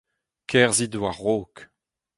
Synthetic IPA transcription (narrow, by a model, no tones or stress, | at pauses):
kʰɛʁzid̪waʁːoːk